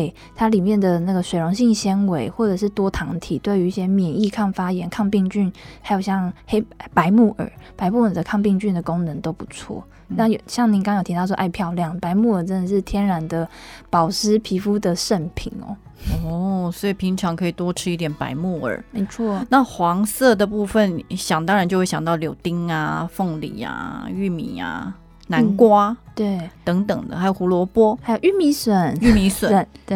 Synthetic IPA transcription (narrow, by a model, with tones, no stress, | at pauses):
ɪ | t̪ʰa˥li˨˩mjɛ˥˩nd̪ə˩na˥˩ɡə˩swe˨ɪo˧˥ŋɕi˥˩ŋɕjɛ˥nwe˧˦ɪxwɔ˥˩ʈ͡ʂɤ˨˩ʂɻ̩˥˩t̪wɔ˥t̪ʰɑ˧˥ŋt̪ʰi˨˩t̪we˥˩ɪy˧i˥˩ɕjɛ˥mjɛ˨˩ni˥˧kʰa˥˩ŋfa˥jɛ˧˥nkʰɑ˥˧ŋpi˥˧ŋt͡ɕy˥˩nha˧ɪjo˨˩ʊɕjɑ˥˧ŋhe˥ɪpa˧˥ɪmu˥˩ʔə̰˞˨˩˦pa˧˥ɪmu˥˩ə˨˩d̪ə˩kʰɑ˥˧ŋpi˥˧ŋt͡ɕy˥˩nd̪ə˩ko˥ŋnə˧˦nt̪o˥ʊpu˧˩˦t͡sʰwɔ̰˥˩ | na˥˩˨jo˨˩ɕjɑ˥˩ŋni˧˥ŋkɑ˥˦ŋjo˨˩t̪ʰi˧ɑ˥˩ʊɔ̰˥ʔa˥˧ɪpʰjɑ˥˧ʊljɑ˥˨˩ŋpa˧˥ɪmu˥˩ə˞˨˩ʈ͡ʂə˦˥nd̪ə˨ʂɻ̩˥˩t̪ʰjɛ˥nɻa˨˥nd̪ə˨pɑ˨˩ʊʂ̩˥pʰi˧˥fu˦d̪ə˨ʂə˥˩npʰi˨˩nɔ̰˨˩ɔ˧˥swɔ˧˥i˨˩pʰi˧˥ŋʈ͡ʂʰɑ˧˥ŋkʰɤ˧˥i˨˩t̪wɔ˥ʈ͡ʂʰɻ̩˥i˥˩t̪jɛ˨˩npa̰˧˥ɪmu˥˩ə̰˞˨˩me˧˥ɪt͡sʰwɔ˥˩na˥˨˩xwɑ˧˥ŋsɤ˥˩d̪ə˩pu˥˧fə˨nɕjɑ˨˩ŋt̪ɑ˥ŋɻa˧˥nt͡ɕjo˥˧ʊwe˥˩ɕɑ˨ŋnt̪ɑ˥˩ʊljo˨˩ʊt̪i˥ŋa˧fo˥˩ŋlḭ˨˩˦a̰˩y˥˩mḭ˨˩˦a̰˧˩ | na˧˥nkwa˥t̪we˥˩t̪ɤ˧˥ŋt̪ɤ̰˨˩ŋd̪ə̰˦xa˧˥jo˨˩xu˧˥lwɔ˧˥pwɔ˥xa˥jo˨˩ʊy˥˩mi˧˥swə˨˩ny˥˩mi˧˥swə˨˦ne˥˩